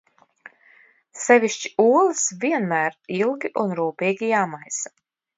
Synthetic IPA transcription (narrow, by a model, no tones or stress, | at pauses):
sɛvʲiʃt͡ʃi̥uɔlˠɨsviɛnmæːɾilˠɡʲiʔunɾuːpiːɡʲijaːmajsḁ